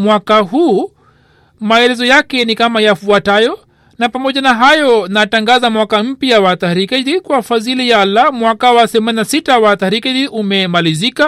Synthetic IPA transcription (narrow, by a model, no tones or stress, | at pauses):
mwakaɦuː | maɛlɛzɔjakɛnikamajafuatajɔ | napamɔʄanaɦajɔnataŋɡazamwakam̩pjawataɾikɛdikwafazilijaːlːamwakawaθɛmaninasitawat̪aɾikɛdiʔumɛmalizika